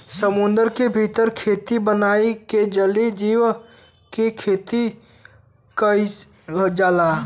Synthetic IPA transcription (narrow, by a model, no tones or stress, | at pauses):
səmʊ̃nd̪əɾkebʱit̪əɾkʰeːt̪ibənaːiked͡ʒəlid͡ʒiːw | kekʰeːt̪i | kəi | d͡ʒaːlaː